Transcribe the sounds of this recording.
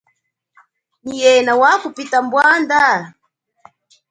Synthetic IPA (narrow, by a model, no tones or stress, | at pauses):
nijɛnawakupitambwanda